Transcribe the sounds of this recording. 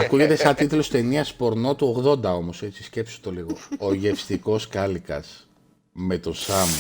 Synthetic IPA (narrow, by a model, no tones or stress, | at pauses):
ɐkuʝe̞t̪e̞sɐnt̪it̪ulo̞st̪e̞niɐspo̞ɾno̞t̪uo̞ɣðo̞nd̪ɐo̞mo̞se̞t͡ssisce̞psot̪o̞liɣo̞oʝe̞fst̪iko̞skɐlikɐ̰s | me̞t̪o̞sɐm